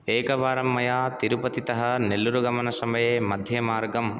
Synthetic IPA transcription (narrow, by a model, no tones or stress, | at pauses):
eːkɐʋaːɾɐmːɐjaːt̪iɾupɐt̪it̪ɐɦɐnelːuɾuɡɐmɐnɐsɐmɐjeːmɐd̪ʱjɐmaːɾɡɐm